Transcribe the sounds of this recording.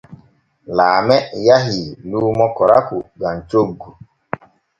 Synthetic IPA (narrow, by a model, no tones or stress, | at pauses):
laːmejaɦilumɔkɔɾa̰kʊɡan̩t͡ʃoɡu